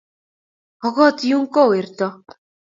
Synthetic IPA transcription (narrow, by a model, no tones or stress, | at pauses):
ɔɣɔːt̪juːŋkoːert̪ɔː